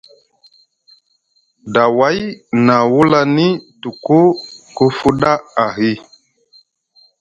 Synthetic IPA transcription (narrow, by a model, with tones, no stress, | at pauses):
da˨wa˨˦jna˨wu˦la˦ni˦tu˨ku˦ku˦fu˦ɗa˦a˨ɦi˦